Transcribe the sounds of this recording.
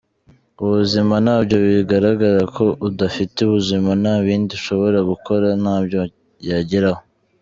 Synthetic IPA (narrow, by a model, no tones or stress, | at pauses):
uβuzimanaːbɟo̞βiɡaɾaɡaɾakʰo̞ʔudafiteuβuzimanaːβiːndiʃo̞βo̞ɾaɡuko̞ɾanaːbjo̞ | jaɟiɾaho